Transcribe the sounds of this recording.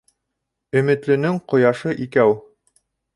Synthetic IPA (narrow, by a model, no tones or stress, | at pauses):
ɵ̆mɘ̆t̪lɵ̆nɘŋqŏjɑʃɤʔikæw